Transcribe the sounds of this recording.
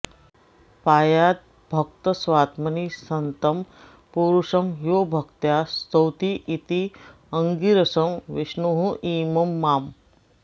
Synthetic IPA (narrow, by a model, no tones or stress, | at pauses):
paːjaːt̪̚ | bʱɐk̚t̪əsʋaːt̪mɐnisɐnt̪ɐm | puɾuʂɐmjoːbʱəkt̪jast̪əwt̪iʔit̪i | əŋɡiɾɐsɐmʋiʃnuɦũʔiːmɐmːaːm